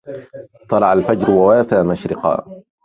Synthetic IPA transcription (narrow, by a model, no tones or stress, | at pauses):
t̪ˤːɑlɑʕalfad͡ʒɾwawaːfaːmaʃɾɪqɑ̰ː